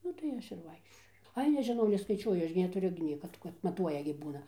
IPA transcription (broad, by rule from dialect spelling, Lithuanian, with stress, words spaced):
ˈnʊ tɐɪ ˈɐʃ ɪr ˈʋɐɪkʃʲt͡ʃʲoːjʊ ˈɐɪ nʲɛʒʲɪˈnɐʊ nʲɛskɐɪˈt͡ʃʲuɔjʊ ˈɐʃ ɡʲɪ nʲɛtʊˈrʲʊ ɡʲɪ ˈnʲiɛkɐ kɐt mɐˈtuɔjɛ ɡʲɪ ˈbuːnɐ